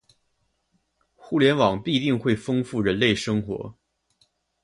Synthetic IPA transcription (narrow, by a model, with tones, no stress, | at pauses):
xu˥˩ljɛ˧˥nwɑ˨˩ŋpi˥˧t̪i˥˧ŋxwe˥˩ɪfɤ˥ŋfu˥˩ɻə˧˥nle˥˩ɪʂɤ˥ŋxwɔ̰˧˥